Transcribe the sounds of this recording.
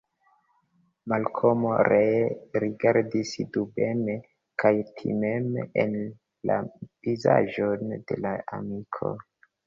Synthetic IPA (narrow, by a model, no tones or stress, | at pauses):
malkʰomoɾeɾiɡaɾdisdubeme | kʰajtʰḭmemen | la̰viza̰ʒo̞nde̞̰laa̰mikʰo̞̰